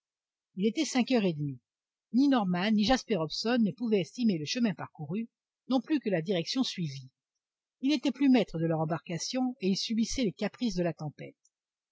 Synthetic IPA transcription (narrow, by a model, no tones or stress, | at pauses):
ilet̪ɛsɛ̃kœʁed̪mi | ninɔʁmanːiʒaspɛʁɔbsɔnːəpuvɛɛst̪imeləʃəmɛ̃paʁkuʁy | nɔ̃plykəlad̪iʁɛksjɔ̃sɥivi | ilnet̪ɛplymɛt̪χəd̪əlœʁɑ̃baʁkasjɔ̃eilsɥybisɛlekapχisd̪əlat̪ɑ̃pɛ̰t̪